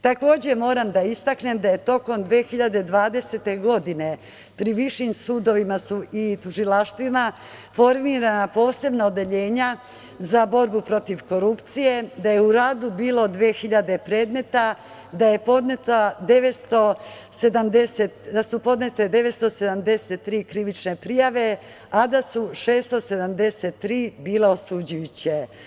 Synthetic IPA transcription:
t̪ako̞ːd͡ʑe̞mo̞ːɾamd̪aist̪akne̞md̪aje̞t̪o̞ko̞md̪ʋeːxiʎad̪e̞d̪ʋaːd̪e̞set̪e̞ɡo̞d̪ine̞ | pɾiʋiʃimsuːd̪o̞ʋimasuit̪uʒilaʃt̪ʋima | fo̞ɾmiːɾanapo̞ːse̞bnaod̪e̞ʎeːɲa | zabo̞ɾbupɾo̞t̪iʋko̞ɾupt̪sije̞d̪aje̞uɾaːd̪ubiːlo̞d̪ʋe̞ːxiʎad̪e̞pɾe̞ːd̪me̞t̪a | d̪aje̞po̞d̪net̪ad̪e̞ʋest̪o̞se̞d̪amd̪eset̪d̪asupo̞d̪ne̞t̪e̞d̪e̞ʋe̞t̪st̪o̞se̞d̪amd̪e̞set̪ːɾiːkɾiʋit͡ʃne̞pɾijaʋe̞ | ad̪asuʃeːst̪o̞se̞d̪amd̪e̞set̪ːɾiːbiːleo̞sud͡ʑujut͡ɕe

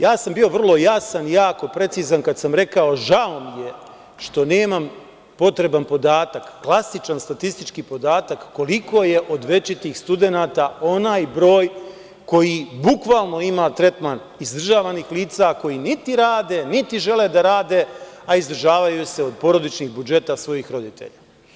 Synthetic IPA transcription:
jaːsambio̞ʋr̩lˠo̞jasanjaːko̞pɾe̞t̪siːzankad̪samɾe̞kao̞ʒaomije̞ | ʃt̪o̞ne̞ːmam | po̞t̪ɾe̞banpo̞d̪aːt̪akːlˠasit͡ʃanst̪at̪ist̪it͡ʃkipo̞d̪aːt̪akːo̞liko̞je̞ʔo̞d̪ʋe̞t͡ʃit̪iːxst̪ud̪enaːt̪ao̞naːjbɾo̞ːj | ko̞jiːbukʋaːlˠno̞imaːt̪ɾe̞t̪man | izd̪r̩ʒaːʋaniːxliːt̪sako̞jiːnit̪iɾaːd̪e̞nit̪iʒe̞le̞d̪aɾaːd̪e̞aizd̪r̩ʒaːʋajuse̞o̞d̪̚po̞ɾo̞d̪it͡ʃniɣbud͡ʒe̞t̪asʋo̞jiːxɾo̞d̪it̪ʰe̞̰ʎa

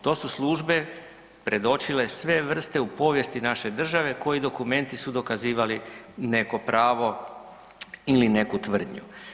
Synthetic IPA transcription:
t̪o̞ːsuslˠuʒbe̞ | pɾe̞d̪o̞t͡ʃilesʋe̞ʋr̩st̪e̞upo̞ːʋje̞st̪inaʃe̞d̪r̩ʒaʋe̞ko̞jid̪o̞kume̞nt̪isud̪o̞kaziːʋaline̞ko̞pɾʔaːʋo̞ | iline̞kut̪ʋr̩d̪ɲṵ

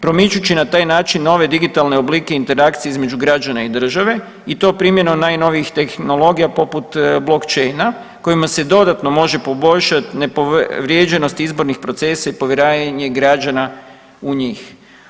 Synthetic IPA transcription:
pɾo̞mit͡ʃut͡ɕinat̪aːjnaːt͡ʃinːo̞ʋe̞d̪iɡit̪alˠne̞obliːke̞int̪e̞ɾakt̪sieizme̞d͡ʒuɡɾad͡ʒanaid̪r̩ʒaʋe̞ | it̪o̞ːpɾimje̞nomnaːjno̞ʋiixt̪e̞xno̞lo̞ɡijapo̞put̪blo̞kt͡ʃejna | ko̞jimase̞d̪o̞d̪at̪no̞mo̞ʒe̞po̞bo̞ʎʃat̪ne̞poʋɾjed͡ʑe̞no̞st̪izbo̞ɾnixpɾo̞t̪se̞saipo̞ʋjeɾaːjɲeɡɾad͡ʒana | uɲiːx

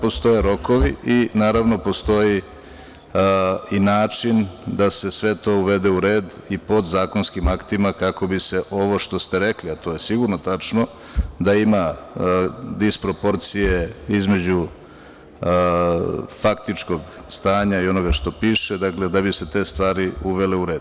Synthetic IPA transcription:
po̞st̪o̞jeɾo̞ko̞ʋiʔinaːɾaʋno̞po̞st̪o̞ji | inaːt͡ʂind̪ase̞sʋe̞t̪o̞ːuʋe̞d̪euɾe̞ːd̪ipo̞d̪zaːko̞nskimakt̪imakako̞bise̞ʔo̞ʋo̞ʃt̪o̞st̪e̞ɾe̞kliat̪oje̞siɡuɾnot̪at͡ʂno̞ | d̪aima | d̪ispɾo̞po̞ɾt̪sije̞izme̞d͡ʑu | fakt̪it͡ʂko̞ɡ | st̪aːɲaio̞no̞ɡaʃt̪o̞piːʃed̪akle̞d̪abise̞t̪e̞ːst̪ʋaːɾiuʋe̞le̞uɾe̞ːd̪̥

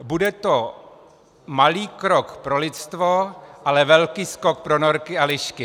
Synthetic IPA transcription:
budɛt̪o | maliːkɾokpɾo̞lɪt̪st̪voʔalɛvɛlkiːsko̞k̚pɾonoɾkɪalɪʃkɪ

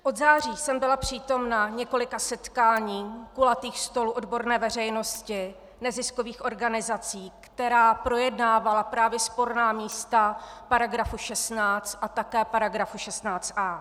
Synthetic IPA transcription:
ʔo̞d̪zaːriːsɛmbɪlapr̝̥iːt̪o̞mnaɲɛko̞lɪkasɛt̪kaːɲiːkulat̪iːxst̪o̞luʔodbo̞ɾnɛːvɛr̝ɛjno̞scɪ | nɛzɪskoviːxʔo̞ɾɡanɪzat͡siːkt̪ɛɾaːpɾo̞jɛdnaːvalapɾaːvjɛspo̞ɾnaːmiːst̪apaɾaɡɾafuʃɛst̪naːt͡st̪ʔat̪akɛːpaɾaɡɾafuʃɛst̪naːt͡st̪ʔaː

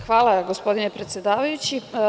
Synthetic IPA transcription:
xʋaːlˠaɡospo̞d̪inepɾe̞t̪sjed̪aːʋajut͡ɕi

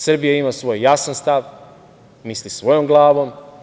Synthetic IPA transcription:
sr̩bijaimasʋo̞ːjːasanst̪aʋ | mislisʋo̞jomɡlˠaːʋom

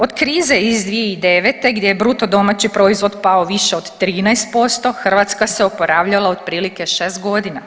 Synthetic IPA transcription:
o̞d̪kɾiːzeizd̪ʋijeid̪eʋet̪e̞ɡd̪jejebɾut̪o̞d̪o̞mat͡ɕipɾo̞izʋo̞d̪paoʋiʃeod̪t̪ɾiːnajst̪̚po̞st̪o̞xr̩ʋat̪skaseopo̞ɾaːʋʎalˠaod̪̚pɾiːlike̞ʃeːst̪ɡo̞d̪ina

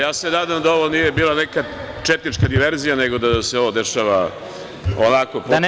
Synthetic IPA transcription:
jaːsenad̪amd̪aoʋonije̞biːlˠaneka | t͡ʃet̪nit͡ʃkad̪iʋe̞ɾzijane̞ɡo̞d̪ase̞o̞ʋo̞d̪e̞ʃaʋa | onakop

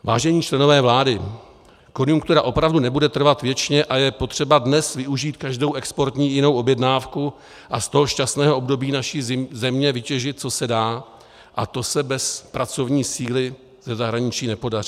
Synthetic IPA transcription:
va̰ːʒɛɲiːt͡ʃlɛno̞vɛːvlaːdɪ | ko̞njuŋk̚t̪uɾaʔo̞pɾavdunɛbudɛt̪r̩vat̪vjɛt͡ʃɲɛʔajɛpo̞t̪r̝̥ɛbadnɛsvɪʔuʒiːt̪kaʒdo̞wʔɛkspo̞ɾt̪ɲiːjɪno̞wʔo̞bjɛdnaːfku | ʔast̪o̞ɦo̞ʃcast̪nɛːɦoʔo̞bdo̞biːnaʃiːzɛmɲɛvɪcɛʒɪt̪̚t͡so̞sɛdaː | ʔat̪o̞sɛbɛspɾat͡so̞vɲiːsiːlɪ | zɛzaɦɾaɲɪt͡ʃiːnɛpo̞dar̝iː

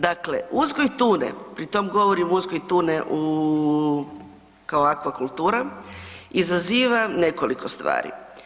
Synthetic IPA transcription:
d̪akle̞̰uzɡojt̪uːnḛpɾit̪o̞mɡo̞ʋo̞ɾimuzɡojt̪uːneʔu | kaoakʋakulˠt̪uːɾa | izaziːʋane̞ko̞likʰo̞st̪ʋa̰ːɾḭ

